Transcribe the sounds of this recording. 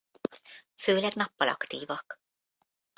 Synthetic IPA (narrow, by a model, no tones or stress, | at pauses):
føːlɛɡnɒpːɒlʔɒ̰kt̪iːvɒk